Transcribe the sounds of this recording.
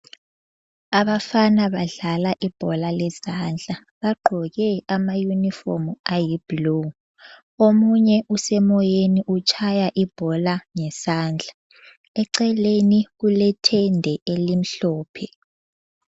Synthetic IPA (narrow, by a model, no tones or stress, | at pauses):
aβafanaβaɮalaʔib̥ʱɔlalɛsand͡ɮʱa | βaɡ͡ǃʱɔɣɛamajunifɔ̰muajib̥lo | omuɲɛʔusɛmɔjeniʔut͡ʃʰʼajaʔib̥ʱɔlaŋɛsaːnd͡ɮʱa | ɛǀɛleniɣulɛtʰɛndʱɛʔelim̩ɬɔːpʰɛ